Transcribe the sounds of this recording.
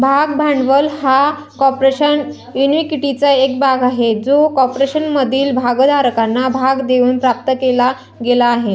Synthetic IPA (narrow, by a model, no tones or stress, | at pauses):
bʱaɡbʱaɳɖʋəlha | kɔpɾeɕən | junʋikiʈit͡saek̚bʱaɡaɦed͡zokɔpɾeɕənməd̪ʱiːlbʱaɡəd̪aɾəkanːabʱaɡd̪eʋuːnpɾap̚t̪əkela | ɡelaːɦe